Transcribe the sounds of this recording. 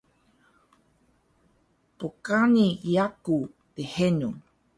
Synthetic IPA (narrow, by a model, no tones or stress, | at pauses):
pokaniiaku | t̪ehenu